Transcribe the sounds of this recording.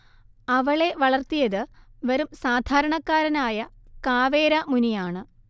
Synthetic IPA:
ɐʋɐɭe̞ʋɐɭɐrt̪ijɐðɨʋɐɾumsaːd̪ʱaːɾɐɳɐkːaːɾɐnaːjɐkaːʋeːɾɐmunijaːɳɨ

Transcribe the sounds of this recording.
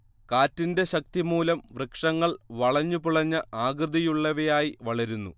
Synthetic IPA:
kaːtːinde̞ɕɐk̚t̪imuːlɐmʋrɨkʂɐŋːɐɭʋɐɭɐɲːupuɭɐɲːɐʔaːɡrɨd̪ijuɭːɐʋejaːjiʋɐɭɐɾunːṵ

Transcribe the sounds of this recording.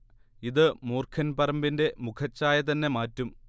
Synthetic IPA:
iðɨmuːrkʰɐnpɐrɐmbinde̞mukʰɐt͡ɕːaːjɐt̪ɐnːe̞maːtːum

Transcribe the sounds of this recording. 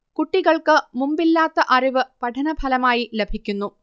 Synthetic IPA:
kuʈːiɣɐɭkɨmumbilːaːt̪ːɐʔɐriʋɨpɐʈʰɐnɐbʱɐlɐmaːjilebʱikʲːunːu

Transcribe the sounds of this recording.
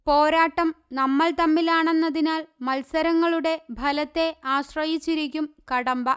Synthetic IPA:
po̞ːɾaːʈːɐmnɐmːɐɭt̪ɐmːilaːɳe̞nːɐðinaːɭmɐlsɐɾɐŋːɐɭuɽe̞bʱɐlɐt̪ːe̞aːɕrɐjit͡ɕːiɾikʲːumkɐɽɐmbɐ

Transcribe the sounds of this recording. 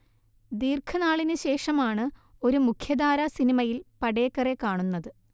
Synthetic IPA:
d̪iːrkʰɐnaːɭinɨɕe̞ːʂɐmaːɳɨ | o̞ɾumukʰjɐd̪aːɾɐsinimɐjilpɐɽeːkːɐre̞kaːɳunːɐðɨ

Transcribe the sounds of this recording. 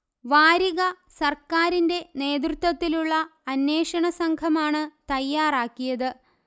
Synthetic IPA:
ʋaːɾiɣɐ | sɐrkaːɾinde̞ne̞ːd̪̬rɨt̪wɐt̪ːiluɭːɐːnːe̞ːʂɐɳɐsɐŋkʰɐmaːɳɨt̪ɐjːaːraːkːijɐðɨ

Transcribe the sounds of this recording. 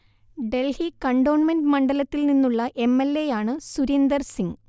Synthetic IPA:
ɖe̞lhikɐɳɖo̞ːɳmenɖɨmɐɳɖɐlɐt̪ːilninːuɭːɐʔe̞mːelːe̞jaːɳɨsuɾend̪ɐrsiŋɡ

